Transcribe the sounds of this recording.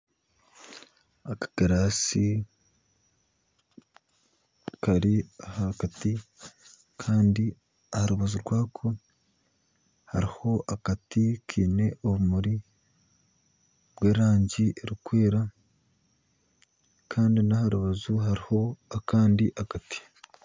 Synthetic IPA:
akḁɡ̥aɾaːsi | kaɾiahakati | kʰaːndi | ahaɾuβazuɾɡwaːkʰo̞ | haɾiho̞ʔakatikʰiːne̞ʔoβumuɾi | bweːɾaːɲɟiʔeɾikwe̞ːɾa | kʰaːndinahaɾuβazuɦaɾiho̞akaːndiʔakati̥

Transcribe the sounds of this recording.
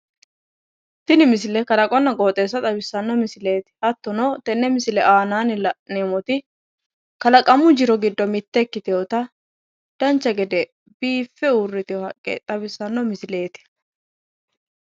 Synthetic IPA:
t̪ɪnɪmɪs̬ɪlɛkɐlɐkʼɔnːɐɡʼoːt̪ʼe̞ːs̬ːɐt̪ʼɐbɪsːɐnːɔmɪsɪle̞ːt̪ɪ̥hɐt̪ːɔnoːt̪ɛnːɛmɪsɪlɛʔaːnaːnɪlɐneːmɔt̪ɪ | kɐlɐkʼɐmʊd͡ʒɪɾɔɡɪd̪ːɔmɪt̪ːɛkːɪt̪ɪjoːt̪ɐ | d̪̥ɐnt͡ʃːɐɡɛd̪ɛ | biːfːɛurːɪt̪ɪɔhɐkʼːɛ̰t̪ʼɐbɪsːɐnːɔmɪsɪle̞ːt̪ɪ̥

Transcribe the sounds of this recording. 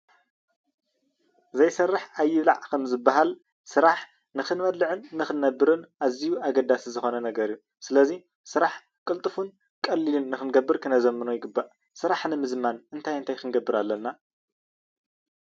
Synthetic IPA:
zɐjsɐrːɨħajːɪβla̰ʕkʰɐmzɨbːaɦal | sɨɾaħ | nɨxɨnmɐd̪lɨʕɨnːɨxɨnːɐbːɨɾɨnʔazijuaɡɐd̪asizɨxo̞nɐnɐɡɐɾiju | sɨlɐzi | sɨɾaħ | kʼɨlt̪ʼɨfun | kʼɐlːilɨnːɨxɨnɡɐbːɨɾkʰɨnɐzɐmːɨnujɪɡɨbːaʔ | sɨɾaħnɨmɨzmanɨnt̪ʰajɨnt̪ʰajkɨnɡɐbːɨɾalːɐnːa

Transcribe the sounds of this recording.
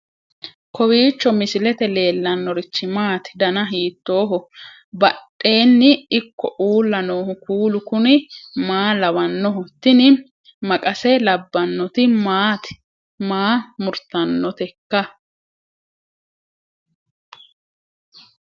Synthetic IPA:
kʰɔwiːt͡ʃːɔmɪsɪlɛt̪ɛle̞ːlːɐnːɔɾɪt͡ʃːɪmaːt̪ɪd̪ɐnɐɦiːt̪ːo̞ːɦɔ | bɐɗʼːe̞ːnːɪɪkːɔʔuːlːɐnoːhʊkuːlʊkʊnɪmaːlɐwɐnːɔɦɔt̪ːɪnɪ | mɐkʼɐsɛlɐbːɐnːɔt̪ɪmaːt̪ɪ̥ | maːmʊɾt̪ɐnːɔt̪ɛkːɐ

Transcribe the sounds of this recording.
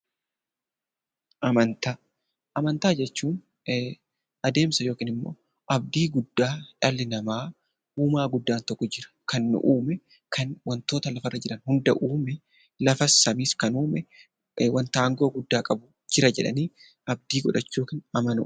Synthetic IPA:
ʔɐmɐnt̪aː | ʔɐmɐnt̪aːd͡ʒɛt͡ʃːuːn | ʔɐd̪e̞ːmsɐjo̞ːkiːnɪmːo̞̰ː | ʔɐb̚d̪iːɡʊd̪ːaːt͡ʃalːɪnɐmaː | uːmaːɡʊd̪ːaːnt̪ɐkʼːʊd͡ʒɪɾɐ̥kɐnːʊ̰ʔuːmɛ | kʰɐnwɐnt̪oːt̪ɐlɐfɐrːɐd͡ʒɛᶑɐnhʊnd̪ɐʔuːmɛ | lɐfɐsɐmiːskɐnuːmɛ | wɐnt̪aːŋɡo̞ːɡʊd̪ːaːkʼɐbʊ | d͡ʒɪɾɐd͡ʒɛᶑɐ̰niː | ɐb̚d̪iːɡɔᶑɐt͡ʃːuːkiːnɐmɐnʊ̰ʔ

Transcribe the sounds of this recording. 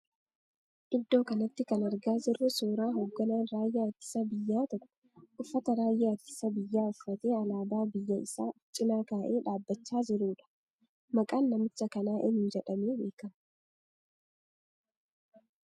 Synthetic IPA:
ʔɪd̪ːo̞ːkɐnɐt̪ːɪkɐnɐɾɡaːzɪrːʊsoːɾaːɦo̞ːɡːɐnaːnɾaːjːaɐt̪ːɪ̥sɐbɪjːaːt̪ɔkʼːʊ̥ | ʔʊfːɐt̪ɐɾaːjːaɐt̪ːɪ̥sɐbɪjːaːʊfːɐt̪e̞ːɐlaːbaːbɪjːɐɪsaːt͡ʃʼɪnaːkaːʔeːᶑaːbːɐt͡ʃːaːzɪɾuːᶑɐ̥ | mɐkʼaːnːɐmɪt͡ʃːɐkɐnaːʔɪnɪnd͡ʒɛᶑɐmeːbe̞ːkɐm

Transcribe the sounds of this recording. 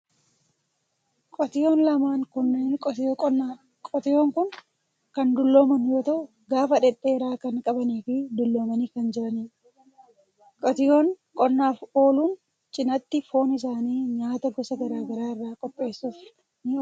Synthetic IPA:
kʼɔt̪ɪjoːnlɐmaːŋkʊnːenʼa | kʼɔt̪ɪjoːŋkʊn | kɐnd̪ʊlːo̞ːmɐnjoːt̪ɐʊ | ɡaːfɐᶑɛᶑeːɾaːkɐnkʼɐbɐniːfid̪ʊlːo̞ːmɐniːkɐnd͡ʒɛʔɐniː | kʼɔt̪ɪjo̞ːŋ | kʼɔnːaːfo̞ːluːn | t͡ʃʼɪnɐt̪ːɪfo̞ːnɪs̬aːniːɲaːt̪ɐɡɔsɐɡɐɾaːɡɐɾaːɪrːaːkʼɔpʼːe̞ːsuːf | nɪ

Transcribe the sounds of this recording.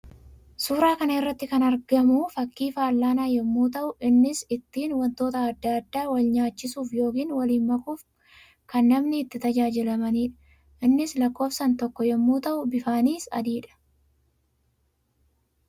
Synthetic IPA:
suːɾaːkɐnɐɪrːɐt̪ːɪkɐnɐɾɡɐmʊfɐkːiːfaːlːaːnaːjɛmːuːt̪ɐʔʊʔɪnːɪsɪt̪ːiːnwɐnt̪o̞ːt̪ɐːd̪ːaɐd̪ːaːwɐlɲaːt͡ʃːɪsuːfjo̞ːkiːnwɐliːnmɐkuːf | kɐnːɐmnɪɪt̪ːɪt̪ɐd͡ʒaːd͡ʒɪlɐmɐniːᶑɐ̥ | ʔɪnːɪslɐkːo̞ːfsɐnt̪ɔkːɔjɛmːuːt̪ɐʔʊbɪfaːniːsɐ̰d̪iːᶑɐ̥

